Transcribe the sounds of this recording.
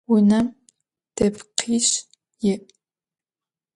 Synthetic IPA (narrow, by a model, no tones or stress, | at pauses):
wʊnɐm | d̥ɐpqʰiːʂ | jɪʔ